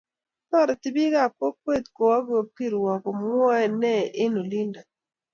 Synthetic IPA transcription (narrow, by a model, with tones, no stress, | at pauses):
tɔ˦˨ɾɔ˨ti˦bi˦ɣa˦˨ko˦k̚we˦˨t̪ko˨wa˦ɡo˨ki˦ɾwɔ˨kɔ˨m˦ɔ˦ɛ˨nɛ˦˨ʔɪ˦no˨li˦nda˨